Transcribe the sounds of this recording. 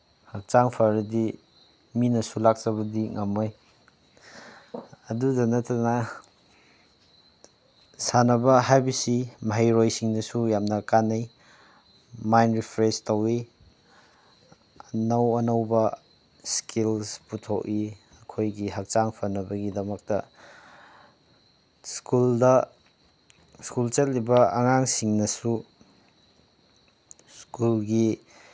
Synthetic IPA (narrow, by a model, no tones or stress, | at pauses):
hak̚t͡ʃaŋpʰaɾɐdi | minɐsulak̚t͡ʃɐβɐdiŋɐmoj | ɐdudɐnɐtɐna | sanɐbɐɦajbisimɐɦajɾojsiŋnɐsujamnɐkanaj | majnɾipʰɾestowi | ɐnɐwɐnɐwbɐ | skilsputʰoki | ɐkʰojɡiɦɐk̚t͡ʃaŋpʰɐnːɐbɐɡidɐmɐk̚tɐ | skuldɐ | skult͡ʃɐt̚libɐɐŋaŋsiŋnɐsu | skulɡi